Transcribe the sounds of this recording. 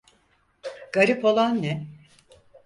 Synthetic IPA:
ɡ̥aɾipo̞lˠanːɛ

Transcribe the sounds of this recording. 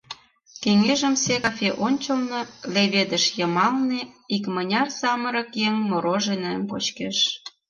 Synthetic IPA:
keŋeʒəmsekɑfʲeʔonʲt͡ɕəlnɤleβed̪əʃjəmɑlnĕikmənʲɑrsɑməɾə̆kjeŋmoɾoʒenĕmpot͡ɕkeʃ

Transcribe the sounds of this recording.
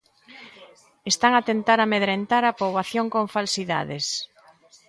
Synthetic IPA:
est̪aŋat̪ent̪aɾameðɾent̪aɾapoβaθjoŋkoɱfalsiða̰ðes

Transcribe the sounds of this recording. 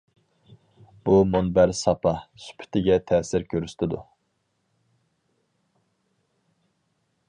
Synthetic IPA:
b̥umonbæɾsɑpʰɑsy̥pʰy̥t̪ʰɪɡʲɛt̪ʰɛːsɪɾkʲʰøɾyst̪ʰɪd̪ṵ

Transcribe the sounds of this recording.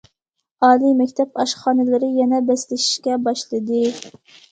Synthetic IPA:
ɑːlˠimɛkʲt̪ʰɛpɑʃχɑːnɨlˠɪɾɪjɛnɛbɛslɪʃi̥ʃkʲɛbɑʃlˠɨd̪ɨ

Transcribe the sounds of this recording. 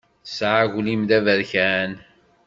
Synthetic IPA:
sʕaʝlimd̪ævəɾçæn

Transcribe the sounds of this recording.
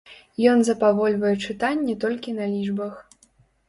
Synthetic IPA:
jɔnzɐpavɔlʲvɐjɛt͡ʂɨt̪anʲːɛt̪ɔlʲkʲinɐlʲiʐbɐx

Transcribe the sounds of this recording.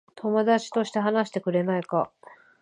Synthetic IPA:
t̪ʰo̞mo̞d̪at͡ɕi̥t̪o̞ɕi̥t̪e̞ɦanaɕi̥t̪e̞kɯ̟ɾe̞naika

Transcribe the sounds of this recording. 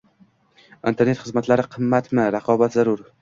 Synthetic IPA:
ḭnt̪ʰe̞ɾne̞t̪χɨzmat̪laɾɪqʰɨmːat̪mɪɾaqʰɒbat̪zaɾʊɾ

